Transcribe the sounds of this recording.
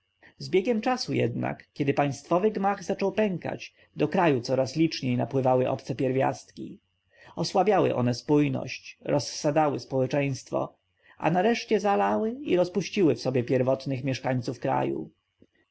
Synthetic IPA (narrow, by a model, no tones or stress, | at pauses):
zbʲjɛɡʲɛmt͡ʂasujɛ̰d̪na̰kkʲjɛd̪ɘpaj̃st̪fɔvɘɡmaɣzat͡ʂɔwpɛŋka̰t͡ɕ | d̪ɔkɾajut̪sɔɾaslʲit͡ʂɲejnapwɘvawɘʔɔ̰pt̪sɛpʲjɛɾvʲja̰st̪̚kʲḭ | ɔswabʲjawɘ̰ʔɔ̰nɛspujnɔ̰ɕt͡ɕɾɔsːad̪awɘspɔwɛt͡ʂɛj̃st̪fɔ̰ | a̰naɾɛʂt͡ɕɛzalawɘiɾɔspuɕt͡ɕiwɘfsɔbʲjɛpʲjɛɾvɔt̪nɘxmʲjɛʂkaɲt̪sufkɾa̰jṵ